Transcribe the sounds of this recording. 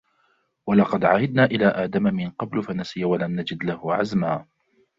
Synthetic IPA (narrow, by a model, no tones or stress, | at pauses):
walɑqɑd̪ʕahɪd̪̚naːʔɪlaːʔaːd̪amamɪnqɑblʊfanasɪjawalamnad͡ʒɪd̪lahʊʕazmaː